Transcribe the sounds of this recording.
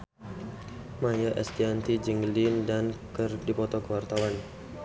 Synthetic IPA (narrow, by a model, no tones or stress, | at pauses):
majaʔɛst̪iant̪id͡ʒiŋlindankərdipɔt̪ɔkəwart̪awan